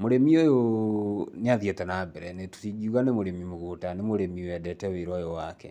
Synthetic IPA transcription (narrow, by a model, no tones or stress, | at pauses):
moɾemiojo | neaðjetɛnabɛɾɛnetu̥tid͡ʒiuɣanemoɾemimoɣutanemoɾemiwɛdɛtɛweɾɔjowakɛ̰